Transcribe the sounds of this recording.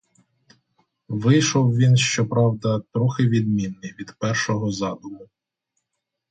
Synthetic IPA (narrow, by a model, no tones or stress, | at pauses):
ʋɪjʃɔwʋʲinʃt͡ʃɔpɾɑwd̪ɐt̪ɾɔxɪʋʲid̪mʲinːɪjʋʲid̪pɛrʃɔɦɔzɑd̪ʊmʊ